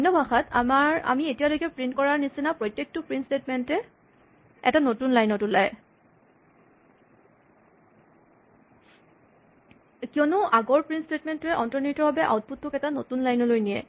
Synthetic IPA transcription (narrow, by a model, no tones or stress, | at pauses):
dʱɔnːɔbʱaxata̰maɹa̰mietijalojkɛpɹintkɔɹaɹnisinapɹɔtjek̚tʊpɹinstetmɛntɛ | ɛ̰tanotunlajnɔtʊlaj | kiɔnʊʔaɡɔɹpɹinstetmɛntʊɛʔɔntɔnitɔbabɛʔa̰wt̚putːʊkɛtanotunlajnɔlojnijɛ̰